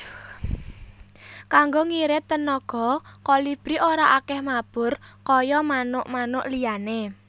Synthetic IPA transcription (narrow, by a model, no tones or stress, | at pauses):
kaŋɡoŋiɾɪt̪ːənɔɡ̥ɔ̤kɔlib̥ɾiʔoɾaʔakɛhmab̥ʊ̤rkɔjɔmanʊʔmanʊʔliane